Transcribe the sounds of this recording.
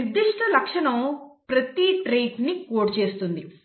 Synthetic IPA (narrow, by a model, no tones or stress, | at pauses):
id̪ːiʂʈʰɐlɐkʂɐɳɐmpɾɐt̪iʈɾejʈnikoːʈt͡ʃe̞ːst̪und̪i